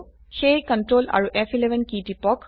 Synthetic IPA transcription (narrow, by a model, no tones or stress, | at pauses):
xejkəntɹola̰ɹuʔɛfilɛʋənkitipɔk